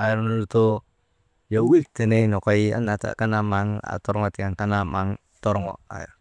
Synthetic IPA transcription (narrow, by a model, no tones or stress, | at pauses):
ajɛɾnuɾut̪u | jawik̚d̪̥e̤nenɔkɔia̰nat̪a̰kanamaŋa̰t̪ɔɾŋɔt̪iaŋkanama̰ŋ | t̪ɔɾŋɔ̰a̰j̰r